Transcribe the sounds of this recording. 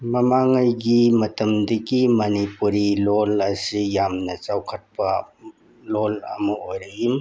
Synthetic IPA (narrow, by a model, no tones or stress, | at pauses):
mɐmaŋajɡimɐtɐmdɐɡimɐnipuɾilolɐsijamnɐt͡ʃawkʰɐt̚pɐ | lolɐ̰mɐojɾɐɡim